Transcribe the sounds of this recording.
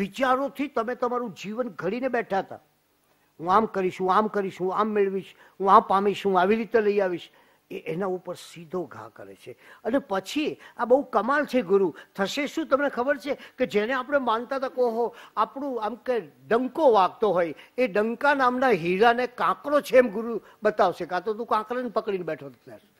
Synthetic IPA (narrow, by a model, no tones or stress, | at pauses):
ʋit͡ʃaɾot̪ʰit̪əmet̪əmaɾũd͡ʒiʋənɡʱəɽinebɛʈʰat̪a̰ | ɦũamkəɾiʃɦũamkəɾiʃɦũamːɪɭʋiʃ | ɦũapamiʃɦũaʋiɾit̪eləiaʋiʃ | eʔenaupəɾsid̪ʱoɡʱã̰kəɾḛt͡ʃʰeənepət͡ʃʰiabəukəmalt͡ʃʰeɡʊɾut̪ʰəʃeʃũt̪əmnekʰəbəɾt͡ʃʰeked͡ʒeneapəɽ̃emãnt̪at̪akoɦoapɳũamkeɖəŋkoʋaɡ̚t̪oɦojeɖəŋkanamnaɦiɾanekãkɾot͡ʃʰeɛmɡʊɾu | bət̪aʋʃekat̪ot̪ũkãkɾanpəkɽinbɛʈʰot̪ət̪a̰ɾ